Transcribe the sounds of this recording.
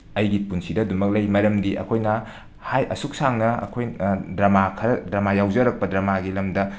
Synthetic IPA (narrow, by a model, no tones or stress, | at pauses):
ɐjɡipunsidɐdumɐk̚lɐjmɐɾɐmdiʔɐ̰kʰojnɐ | hajɐsuk̚saŋnɐɐ̰kʰojdɾɐmakʰɐɾɐdɾɐmajawd͡ʒɐɾɐk̚pɐdɾɐmaɡilɐmdɐ